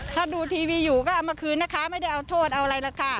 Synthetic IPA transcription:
t̪ʰaː˧˥˩duː˧t̪ʰiː˧wiː˧juː˨˩kɔː˥˩ʔa˧˩wmaː˧kʰɯː˧nːaː˦˥˩kʰa˦˥ma˥˩jda˥˩jʔa˧wt̪ʰoː˥˩t̪̚ʔa˧wʔɾa˧jla˧˩kʰa˧˩

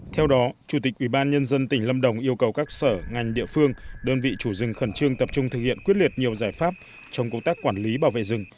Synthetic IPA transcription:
t̪ʰɛ˧wɗɔ˨˦t͡ɕu˧˩t̪i˨˩k̚ʔwi˧˩ɓaː˧nɲə˧nzə˧nt̪ï˧˩ŋ̟lə˧mɗə˧˩wŋ͡mʔi˧əwkə˨˩wkaː˦˥k̚səː˧˩ŋa˨˩jŋ̟ɗḭ˧əfɨ˧əŋɗəː˧nvḭ˧˨t͡ɕu˧˩zɨ˨˩ŋxə˧˩nt͡ɕɨ˧əŋt̪ə˨˩p̚t͡ɕʊ˧ŋ͡mt̪ʰɨ˨˩k̚hḭ˧˨ənkwt̚li˨˩ət̚ɲi˨˩əwzaː˧˩jfaː˦˥p̚ | t͡ɕɔ˧wŋ͡mkə˧wŋ͡mt̪aː˦˥kːwaː˧˩nli˨˦ɓaː˧˩wvḛ˧˨zɨ˨˩ŋ

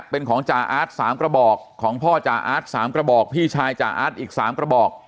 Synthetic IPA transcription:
pe˧nkʰɔː˩˦ŋt͡ɕaː˨˧ʔaː˦˥t̪̚saː˩˦mkɾa˧bɔː˨˩kʰːɔː˩˦ŋpʰɔː˥˩t͡ɕaː˨˩ʔa̰ː˦˥t̪̚saː˩˦mkɾa˧bɔː˨˩k̚pʰiː˥˩t͡ɕʰaː˧jt͡ɕa̰ː˨˩ʔa̰ː˦˥t̪̚ʔiː˨˩k̚saː˩˦mkɾa˧bɔː˨˩k̚

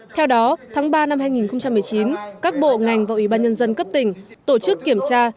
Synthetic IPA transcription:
t̪ʰɛ˧wɗɔ˨˦t̪ʰaː˨˦ŋɓaː˧na˧mhaː˧jŋi˨˩nxə˧wŋ͡mt͡ɕa˧mː˨˩əjt͡ɕi˨˦nkaː˦˥k̚ɓo̰˧˨ŋa˨˩jŋ̟vaː˨˩wʔi˧˩ɓaː˧nɲə˧nzə˧nkə˦˥p̚t̪ï˧˩ŋ̟t̪o˧˩t͡ɕɨ˦˥kːi˧˩əmt͡ɕaː˧

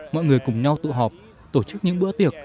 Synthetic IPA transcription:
mɔ̰˧˨jŋɨ˨˩əjkʊ˨˩ŋ͡mɲa˧wt̪ɨ̰˧˨ɦɔ˨˩p̚ | t̪o˧˩t͡ɕɨ˦˥k̚ɲɨ̰˧˥ŋɓɨ̰˧˥t̪i˨˩ək̚

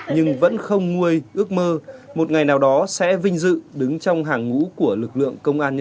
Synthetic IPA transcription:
ɲɨ˧ŋvə̰˧˥nxə˧wŋ͡mŋu˧əjʔɨ˦˥ək̚məː˧mo˨˩t̚ŋa˨˩jnaː˨˩wɗɔ˨˦sɛ̰˧˥vï˧ŋ̟zɨ̰˧˨ɗɨ˨˦ŋt͡ɕɔ˧wŋ͡mɦaː˨˩ŋːṵ˧˥ku˧˩əlɨ˨˩k̚lɨ̰˧˨əŋkə˧wŋ͡mʔaː˧nɲə˧

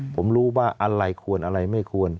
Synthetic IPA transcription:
pʰo˩˦mɾuː˦˥waː˥˩ʔa˧ɾa˧jkʰu˧ənʔa˧ɾa˧jma˥˩jkʰu˧ən

